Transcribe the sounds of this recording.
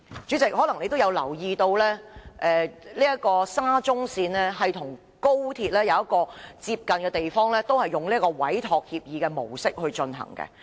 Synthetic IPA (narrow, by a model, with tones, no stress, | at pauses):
t͡ʃyː˨˥t͡sɪ˨k̚ɦɔː˨˥lɐ˨˩ŋle˨˧jt̪o˥wjɐ˧wlɐ˨˩wjiː˨˧t̪o˧wlɛː˥ʔɛː˨˧liː˥jɐ˥kɔː˧saː˥t͡sʊ˥ŋsiː˧nlɛː˥ɦɐ˨jt̪ʰʊ˨˩ŋ | ko˥wt̪ʰiː˧t̚lɛː˥jɐ˨wjɐ˥kɔː˧t͡siː˧p̚kɐ˨nkɛː˧t̪e˨jfɔː˥ŋlɛː˥t̪o˥whɐ˨jːʊ˨ŋliː˥kɔː˧wɐ̰˨˥jt̪ʰɔː˨˧k̚hiː˧p̚jiː˨˧kɛː˧mo̰˨˩wsɪ˥k̚hɵ˧ɥt͡ʃɵ˧nɦɐ̰˨˩ŋkɛ̰˧